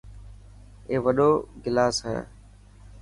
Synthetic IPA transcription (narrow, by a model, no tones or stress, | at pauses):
eːʋəɗoːɡɪlaːsɦɛ̰ː